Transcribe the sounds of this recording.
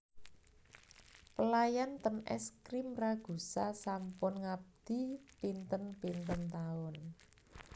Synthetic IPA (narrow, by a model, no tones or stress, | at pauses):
pəlajant̪ənɛ̰skɾimraɡ̥ṳsasampʊnŋab̚d̪̥i̤pint̪ənpint̪ənt̪aʊn